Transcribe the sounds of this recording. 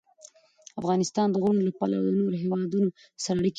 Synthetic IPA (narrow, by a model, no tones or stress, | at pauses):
afɣɑnɪst̪ɑnd̪əɣuɳolapɑla̰wd̪ənoɾoɦewɑd̪uno | saɾaɽik